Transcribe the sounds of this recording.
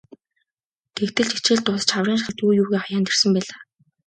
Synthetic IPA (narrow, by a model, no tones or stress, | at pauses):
t̪ʰekt̪ɘ̆ɮt͡ɕet͡ɕeːɮt̪ʊs̆t͡ɕχawriːnʃχə̆t̪uːjuːɣeːχɔjaːnt̪ersə̆mpæːɮaː